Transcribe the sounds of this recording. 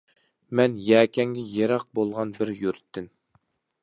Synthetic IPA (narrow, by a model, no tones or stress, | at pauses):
mɛnjɛːkʲʰɛŋɡʲɛjeɾɑq̚bolˠʁɑnbɪɾjyɾyt̪ʰːɪn